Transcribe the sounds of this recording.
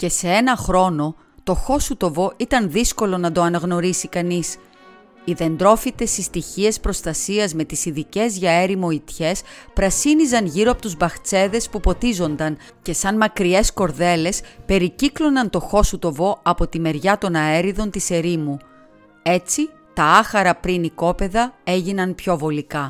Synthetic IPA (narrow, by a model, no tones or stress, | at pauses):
ce̞se̞e̞nɐxɾo̞no̞ | t̪o̞xo̞sut̪o̞vo̞ʔit̪ɐnðisko̞lo̞nɐd̪o̞ɐnɐɣno̞ɾisikɐnis | iðe̞nd̪ɾo̞fit̪e̞sist̪içie̞spɾo̞st̪ɐsiɐzme̞t̪isiðice̞zʝɐe̞ɾimo̞it̪çe̞spɾɐsinizɐnʝiɾoɐpo̞t̪uzbɐxt͡se̞ðe̞spupo̞t̪izo̞nd̪ɐn | ce̞sɐnmɐkɾie̞sko̞ɾðe̞le̞spe̞ɾiciklo̞nɐnt̪o̞xo̞sut̪o̞vo̞ɐpo̞t̪ime̞ɾʝɐt̪o̞nɐe̞ɾiðo̞nt̪ise̞ɾimu | e̞t͡si | t̪ɐɐxɐɾɐpɾiniko̞pe̞ðɐe̞ʝinɐnpço̞vo̞likɐ